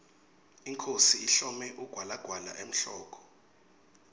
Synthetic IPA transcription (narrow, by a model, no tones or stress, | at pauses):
iŋkʰosiːɬɔmɛʔuɡ̥ʱwalaɡ̥ʱwala̰ʔem̩ɬɔːk̬ʰʼɔ̥